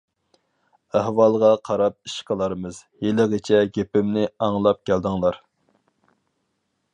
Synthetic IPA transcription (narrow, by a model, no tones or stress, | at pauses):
æhwɑlˠʁɑqʰɑɾɑp̚iʃqʰəlˠɑɾmɨz | jelɪʁɪt͡ʃʰɛɡʲepɪmnɪɑŋlˠɑp̚kʲæld̪ɨŋlˠɑɾ